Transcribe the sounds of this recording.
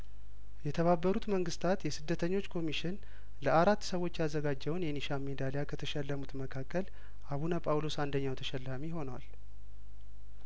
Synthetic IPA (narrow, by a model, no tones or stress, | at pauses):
jɛt̪ʰəβabːəɾut̪məŋɡɨst̪ʰat̪jɛsɨd̪ːət̪ʰəɲːo̞t͡ʃːkʰo̞miʃɪn | ləʔaɾat̪ːsəwo̞t͡ʃːjazːəɡad͡ʒːɛwnjɛniʃamːed̪alejakʰət̪ʰəʃɛlːəmut̪məkʰakːəl | ʔaβunəpʼawlo̞sand̪əɲːawt̪ʰəʃɛlːamiho̞nwa̰l